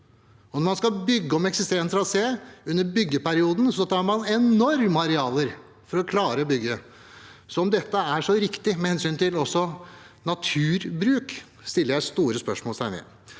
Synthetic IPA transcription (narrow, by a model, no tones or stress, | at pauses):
ɔnɔɾmɑnskɑbʏɡːəɔmɛksɪst̪eːɾnt̪ʰɾɑseːʉnːəɾbʏɡːəpæɾɪuːd̪n̩sɔt̪ʰɑːɾmɑnɛnɔɾməɑɾɛɑːləɾ | fɔɾɔkʰlɑːɾəɔbʏɡːə | sɔɔmd̪ɛt̪ːəæʂɔɾɪkt̪ɪmɛhɛnsyːnt̪ɪlɔsːɔ | nɑt̪ʰʉːɾbɾʉːk | st̪ɪlːəɾjæɪst̪uːɾəspœʂmoːlsæɪmɛ̰ː